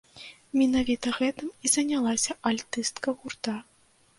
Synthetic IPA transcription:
mʲinavʲit̪ɐɣɛt̪ɨmizɐnʲalˠasʲɐʔalʲt̪ɨst̪kɐɣurt̪a

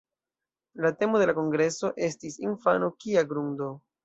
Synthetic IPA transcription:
late̞mo̞de̞lako̞ŋɡɾe̞so̞ʔe̞stisinfanokiaɡɾundo̞

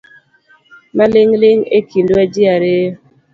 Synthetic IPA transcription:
malɪŋlɪŋekʰindwad͡ʒiaɾe

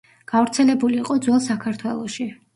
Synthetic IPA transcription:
ɡ̥avɾt̪sʰɛlɛbuliːqʼɔd̪zwɛlˠsakʰaɾt̪ʰwɛlˠɔʃi

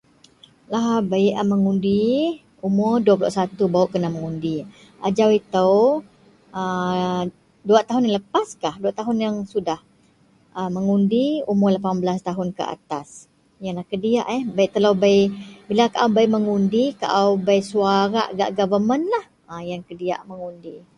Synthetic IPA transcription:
laɦbaiʔəməŋundi | umʊrduap̬ulʊʔsat̪ubaʊʔkənaməŋundi | ad͡ʒawit̪əw | ə | duat̪aɦʊnjaŋləpaskahduat̪aɦʊnjaŋsudah | ʔəməŋundiumʊrlapambəlast̪aɦʊnkə̰ʔa̰t̪as | jaŋlahkədia̰ʔɛhbajʔt̪əlobajbilakaʔawbajʔməŋundika̰ʔawbajsuaɾa̰ʔɡa̰ʔɡavəmənlah | əjaŋkədia̰ʔməŋundi

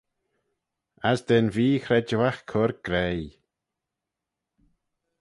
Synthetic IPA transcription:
asd̪ɛnviːxɾɛd͡ʒəwaxkʰʊɾɡ̥ɾɛj

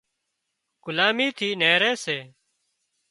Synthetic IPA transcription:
ɡ̥ʊlaːmiːt̪ʰiːneːɾeːseː

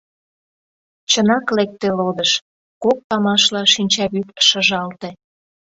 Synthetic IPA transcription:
t͡ɕənɑklek̚t̪elod̪əʃ | kok̚t̪ɑmɑʃlɑʃinʲt͡ɕɑβypʃəʒɑlt̪e

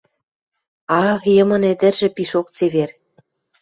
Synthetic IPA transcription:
ɑjɤ̆mɤ̆nĕd̪ɘ̆rʒĕpiʃokt͡seβer

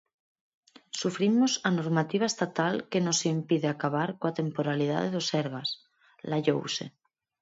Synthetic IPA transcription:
sufɾimosano̞ɾmat̪iβ̞aest̪at̪alke̞no̞seimpiðeakaβaɾkoat̪e̞mpoɾaliða̰ðeðoseɾɣ̞as | laʎo̰wsḛ

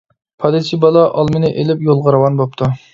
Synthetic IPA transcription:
pʰɑd̪ɪt͡ʃʰibɑlˠɑʔɑlˠmɪnɪʔelɪpjolˠʁɑɾwɑnbop̚t̪ʰu

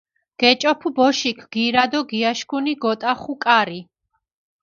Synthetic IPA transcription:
ɡ̥ɛt͡ʃʼɔpʰubɔʃikʰɡ̥iɾad̪ɔɡiaʃkʰuniɡɔt̪ʼaχukʼaɾi

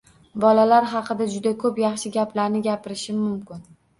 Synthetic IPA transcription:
bɒlalaɾɦɑqʰɨd̪ad͡ʒʊd̪akʰɵpjɑχʃɪɡʲaplaɾnɪɡʲapɪɾɪʃɪmʊmkʲʰɪn

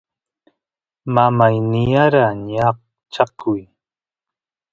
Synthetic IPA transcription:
mamajnɪjaɾaɲɑq̚ | t͡ʃakʊj

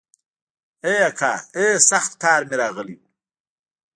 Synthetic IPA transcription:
ejakʰa̰ːesaxt̪kɑːɾmeɾɑːɣəli

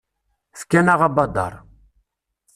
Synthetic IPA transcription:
θkænaʁabɑd̪ɑ̰ɾˤ

